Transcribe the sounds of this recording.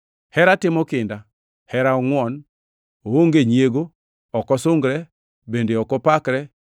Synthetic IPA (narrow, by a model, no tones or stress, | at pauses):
hɛɾatɪmɔkɪnda | hɛɾaɔŋwɔn | ooŋɡeɲjeɡo | ɔkɔsʊŋɡɾɛ | bendeɔkɔpakɾɛ